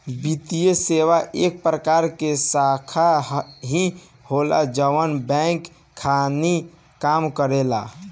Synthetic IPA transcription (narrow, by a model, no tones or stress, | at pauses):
bit̪ijeseʋaʔek̚pɾəkaɾkesakʰaɦĩ | hola̰d͡ʒəʋənbɛ̃kʰː | ani | kamkəɾela̰